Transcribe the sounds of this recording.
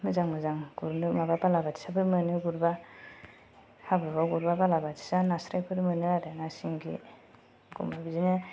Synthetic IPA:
mɯzaŋmɯzaŋɡuɾnɯmababalabati̥sabɯɾmɯnɯɡuɾba | habɯɾbaɡuɾbabalabatʰi̥sanasɾajpʰɯɾmɯnɯadaŋasiŋɡḭ | ɡṵmabizinɯ

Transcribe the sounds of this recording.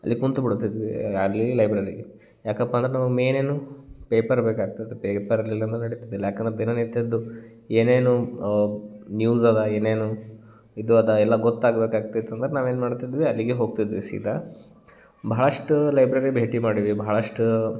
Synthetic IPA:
ɐlːikunt̪ubiɽut̪ːid̪ʋiɐlːilɐjbɾɐɾḭ | jaːkɐpːɐːnd̪ɾenaːʋume̞ːne̞ːnupeːpɐɾbeːkaːɡ̚t̪id̪upepɐɾɐlːilːɐnɐnɐɽit̪id̪ilːɐjaːkɐnd̪ɾed̪inɐnit̪ɐd̪ːueːneːnu | njuːzɐlːɐe̞ːneːnu | id̪uɐd̪ɐɛlːɐɡɔt̪ːaːɡbeːkaːɡ̚t̪it̪ːɐnd̪ɐɾenaːʋe̞ːnmaːɽt̪id̪ʋiɐlːiɡeɦo̞ːɡ̚t̪id̪ʋisḭːt̪ɐ | bʱaɦːɭɐʂʈulɐjbɾɐɾibʱe̞ːʈimaːɽiʋibʱaɦɭɐʂʈu

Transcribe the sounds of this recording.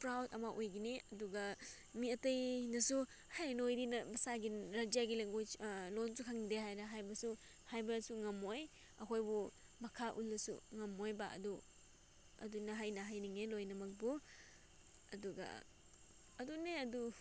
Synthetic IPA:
pɾawdɐ̰mɐʔojɡineɐduɡɐ | miɐtɐjnɐsu | hajnojdinɐbɐsaɡiɾad͡ʒijaɡileŋɡolonsukʰaŋideɦajɾɐɦajbɐsu | hajbɐsuŋɐmoj | ɐkʰojbu | mɐkʰaʔṵlːɐsṵŋɐmojba̰ɐ̰du | ɐ̰dunɐɦajnɐɦajniŋelojnɐmɐk̚bu | ɐduɡɐ̰ | ɐduneɐdu

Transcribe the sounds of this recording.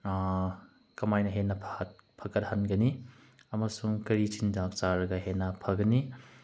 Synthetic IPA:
kɐmajnɐɦenɐpʰtpʰɐkɐt̚hanɡɐni | ɐmɐsuŋkɐɾitʰindak̚t͡ʃaɾɐɡɐɦenːɐpʰɐɡɐni

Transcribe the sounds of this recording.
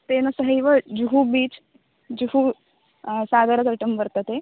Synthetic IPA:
t̪enɐsəɦiʋəd͡ʑuɦubiːt͡s | d͡ʑuɦu | sad̪əɾət͡sɐʈəmʋəɾt̪ət̪e

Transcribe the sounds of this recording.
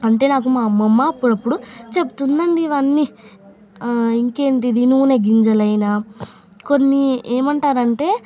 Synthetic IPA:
ɐɳʈe̞ːnaːk̬umaːmɐmːɐːpːuɽɐpːuɽut͡ʃe̞put̪und̪ɐɳɖiʋɐnːi | iŋke̞ːɳʈ̬id̪inuuːneɡiɲd͡ʒɐlɐjna | ko̞nːieːmɐɳʈaːɾɐɳʈe̞ː

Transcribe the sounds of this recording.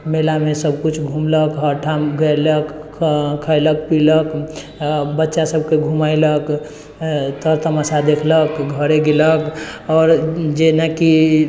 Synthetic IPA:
melamesəbkut͡ʃʰɡʱumləkɦəʈʰamɡəjləkkʰələk̚pilək | bətːʃasəbʱkeɡʱumajlək | t̪əɾt̪əmasad̪ekʰləkɡʱəɾeɡeləkɔːɾd͡ʒenəki

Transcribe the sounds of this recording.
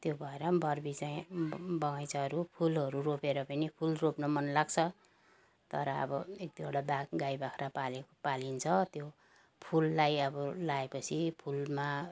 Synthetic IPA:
t̪jobʱʌeɾʌbʌrbit͡saĩbʌŋajt͡saɦʌɾupʰulʌɾuropeɾʌpʌnipʰulropnʌmʌnlaɡt͡sʰʌ | t̪ʌɾʌʌ̰bʌek̚t̪iʌɽabaɡajbakʰɾapalekopalint͡sʰʌt̪jo | pʰulːajʌbʌlaepʌt͡sʰipʰulma

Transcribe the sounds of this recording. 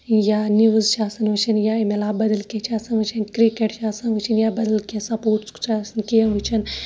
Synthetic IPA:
jaːniʋzʃaːsɐnʋɨt͡ʃʰɐnjaːemelaːbɐd̪ɐlket͡ʃʰaːsɐnʋɨt͡ʃʰɐnkɾikeʈʃaːsɐnʋɨt͡ʃʰinjaːbɐd̪ɐlkʲesãːpuːɾt͡skt͡ʃaːsnkijɐnʋɨt͡ʃʰɐn

